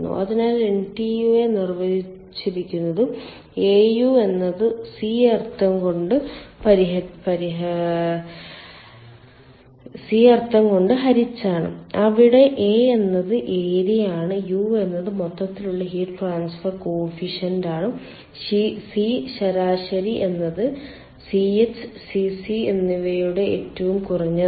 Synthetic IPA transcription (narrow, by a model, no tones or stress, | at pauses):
nːṵʔɐðinaːleɳʈijue̞nirʋɐðit͡ɕːiɾikʲːunːɐðɨ | eːjuːe̞nːɐðɨsiɐrt̪ːɐŋko̞ɳɖɨpɐɾiɦɐpɐɾiɦ | siɐrt̪ːɐŋko̞ɳɖɨɦɐɾit͡ɕːaːɳɨ̰ɐʋiɽe̞ʔeːenːɐðɨʔe̞ːɾijaːɳɨjuːe̞nːɐðɨmot̪ːɐt̪ːiluɭːɐɦiːʈʈraːnsfɐrkoːfiʂɐndaːɳɨ | isiɕɐɾaːʂɐɾiʔe̞nːɐðɨ | siet͡ɕːɨ̥sisienːiʋɐjuɽe̞ḛːtːɐʋumkurɐɲːɐ